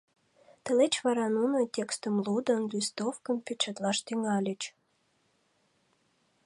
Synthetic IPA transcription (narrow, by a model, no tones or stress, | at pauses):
t̪ə̆let͡ɕβɑɾɑnunətʲekst̪əmlud̪ə̆nlʲist̪ofkəmpʲet͡ɕɑt̪lɑʃt̪yŋɑlʲət͡ɕ